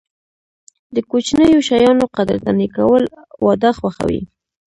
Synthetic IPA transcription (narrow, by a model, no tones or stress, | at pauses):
d̪əkot͡ʃnəjoʃajɑnoqad̪̰ɾt̪anikawəl | wʔɑd̪axwaxa̰wḭ